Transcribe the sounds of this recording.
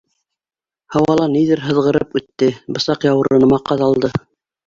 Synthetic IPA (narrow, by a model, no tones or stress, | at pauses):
hɑwɑlˠɑniðɘɾɦɤ̆ðʁɤ̆ɾɤpʉt̪ːɘbɤ̆sɑqjɑwɤ̆ɾɤ̆nɤ̆mɑqːɑðɑlˠd̪ɤ